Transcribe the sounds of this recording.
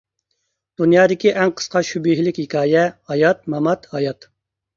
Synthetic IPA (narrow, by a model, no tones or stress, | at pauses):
d̪̥unjɑːd̪ɪkʲiʔæŋqʰə̥sqɑʃybiɦlɪkʲhikʲʰɑːjɛhɑjɑt̪̚mɑmɑt̪hɑjɑt̪